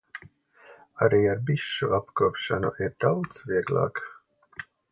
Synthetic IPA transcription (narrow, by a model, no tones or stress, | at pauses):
aɾiːaɾbiʃːuapkuːpʃanṵʔiɾd̪̥awt̪sviɛɡlˠɑ̰ːk